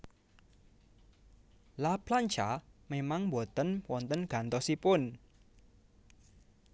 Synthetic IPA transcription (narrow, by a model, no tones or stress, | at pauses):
laplaɲt͡ʃamemaŋmbot̪ənwɔnt̪ənɡ̥a̤nt̪ɔsipʊn